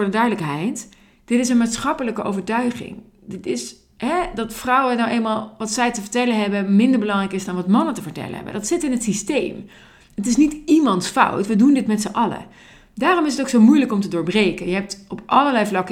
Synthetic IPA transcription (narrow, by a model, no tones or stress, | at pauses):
ɹdədœɥdələkɦɛjt | d̥ɪtɪsənmaːtsχɑpələkəʔo̰wvəɹtœɥχɪ̰ŋ | dɪtɪs | ɦɛdɑtfrɑwənawejlnmaːlˠʋɑtsɛjtəvəɹtɛlənɦɛbəmɪndəɹbəlɑŋrɛjkɪsdɑnʋɑtmɑnəntəvəɹtɛ̰lə̰ɦɛ̰bə̰dɑtsɪtɪnɦətsistejm | ətɪsnitimɑntsfɑ̰wtʋədundɪtmɛtsəʔɑlə̰ | daːrɔmɪs̬ətowksowmujləkɔmtədʊːɹbrejkənjəɦɛp̚tɔpʔɑləlɛjvlɑk